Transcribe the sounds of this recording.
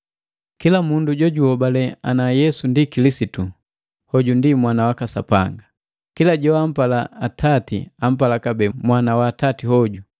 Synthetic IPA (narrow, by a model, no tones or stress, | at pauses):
kilamunduɟɔɟuhɔbalɛanajɛsundikilisitu | hɔɟundimwanawakasa̰pa̰ŋɡa | kilaɟɔam̩palaatʰatḭam̩palakabɛmwanawaːtatiɦɔɟu